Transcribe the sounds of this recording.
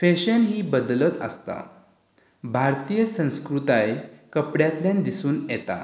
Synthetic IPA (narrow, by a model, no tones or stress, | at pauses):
feɕənɦiːbəd̪lət̪ə̰st̪a̰ | bʱaɾt̪ijəsə̃w̃skɾut̪ajkəpɽjat̪ljãnd̪isuːnjɛt̪a̰